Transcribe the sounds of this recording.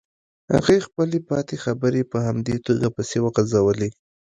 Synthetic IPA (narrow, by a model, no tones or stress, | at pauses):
ha̰ɣexpəlepɑt̪exabəɾepəhamd̪et̪oɡapəsewaqzawəli